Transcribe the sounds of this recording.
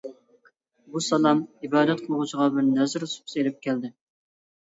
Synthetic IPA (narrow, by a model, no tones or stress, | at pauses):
busɑlˠɑmibɑːd̪ɛt̪̚qʰəlˠʁut͡ʃʰəʁɑbɪɾnɛzɾsu̥pselɪp̚kʲʰæld̪ɪ